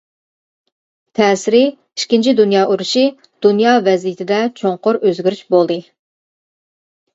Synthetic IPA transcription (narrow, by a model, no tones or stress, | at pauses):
t̪ʰɛːsɪɾɪ | iʃkʲint͡ʃʰid̪unjɑːʔuɾuʃɨ | d̪̥unjɑːvɛzjɪt̪ʰɪd̪ɛt͡ʃʰoŋqʊɾøzɡʲyɾyʃbolˠd̪ɨ